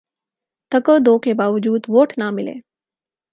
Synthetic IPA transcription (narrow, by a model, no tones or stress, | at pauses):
t̪əkəd̪oːkebaːʋəd͡ʒuːd̪ʋoːʈnamɪlḛ